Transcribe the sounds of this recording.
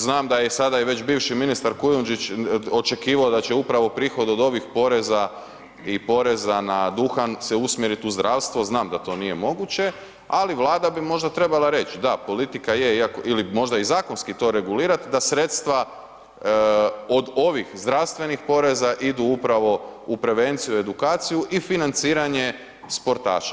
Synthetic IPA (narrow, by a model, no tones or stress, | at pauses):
znaːmd̪ajesad̪aiʋe̞t͡ɕbiːʋʃiminist̪aɾkujund͡ʒit͡ɕo̞t͡ʃe̞kiːʋaod̪at͡ɕe̞upɾaʋo̞pɾiːxo̞d̪o̞d̪o̞ʋixpo̞ɾe̞za | ipo̞ɾe̞zanad̪uxanseusmjeɾit̪uzd̪ɾaːʋst̪ʋo̞znaːmd̪at̪o̞ːnije̞mo̞ɡut͡ɕe̞ | aliʋlˠaːd̪abimo̞ʒd̪at̪ɾe̞balˠaɾe̞t͡ɕid̪apo̞lit̪ikajeiakoilimo̞ʒd̪aizaːko̞nskit̪o̞ɾe̞ɡuliːɾat̪d̪asɾet̪st̪ʋa | od̪o̞ʋixzd̪ɾawst̪ʋe̞nixpo̞ɾe̞zaʔid̪uupɾaʋo̞upɾe̞ʋe̞nt̪sijue̞d̪ukaːt̪sijuʔifinant̪siːɾaɲe̞ | spo̞ɾt̪a̰ːʃḁ